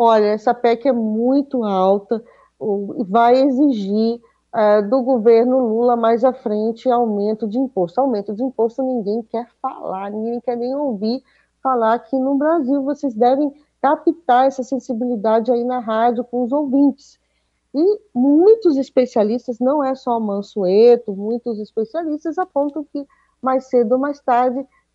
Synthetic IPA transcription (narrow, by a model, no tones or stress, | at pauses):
ɔʎɐɛsɐpɛkɪɛmũj̃t̪ʊawt̪ɐ | ʊɪvajeziʒi | ɛd̪ʊɡoveɾnʊlulɐmajzafɾẽnt͡ʃɪawmẽnt̪ʊd͡ʒɪĩpost̪ʊawmẽnt̪ʊd͡ʒɪĩpost̪ʊnĩɡẽj̃kɛɾfa̰laɾnĩɡẽẽj̃kɛɾnẽj̃owviɾ | falaɾkʰɪnʊbɾaziwvosezd̪ɛvẽj̃ | kapit̪aɾɛsɐsẽsibilid̪ad͡ʒɪainɐɦad͡ʒʊkõʊzowvĩnt͡ʃɪ̥s | ɪmũj̃t̪ʊzɪspesialist̪ɐznɐ̃w̃ɛsɔmɐ̃suet̪ʊmũj̃t̪ʊzɪspesialist̪ɐzapõnt̪ɐ̃w̃kɪ | majsed̪ʊomajst̪aɾd͡ʒɪ